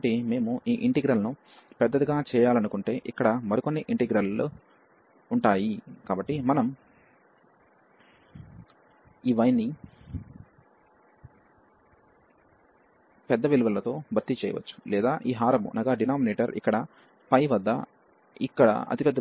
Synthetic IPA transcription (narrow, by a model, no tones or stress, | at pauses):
ʈime̞ːmuʔiːʔiɳʈiɡɾɐlɐnu | pɛd̪ːɐt̪iɡaːt͡ʃɛːjaːlɐnukuɳʈe̞ːʔikːɐɽɐmɐɾikonːiʔiɳʈiɡɾɐl | uɳʈaːjikaːbɐʈːimɐnɐm | iːʋɐjnːi | pɛd̪ːɐʋiluʋɐlɐt̪o̞ːbʱɐɾt̪it͡ʃɛːjɐ̰ʋɐ̰t͡ʃːu̥lɛːd̪aːʔiːɦaːɾɐmṵnʔɐɡaːɖinaːmineːʈɐɾḭkːɐɽɐ | pɐjʋɐd̪ːɐ̰ | ikːɐɽɐ̰ɐ̰t̪ipɛd̪ːɐ